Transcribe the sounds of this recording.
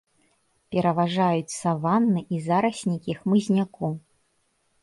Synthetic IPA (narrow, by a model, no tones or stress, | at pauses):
pʲɛɾɐvaʐajut͡sʲsɐvanːɨʔizaɾɐsʲnʲikʲixmɨzʲnʲaku